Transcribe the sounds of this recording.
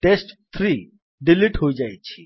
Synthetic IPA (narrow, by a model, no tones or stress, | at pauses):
ʈesʈt̪ʰɾiː | ɖiliʈɦoid͡ʑajt͡ɕʰiː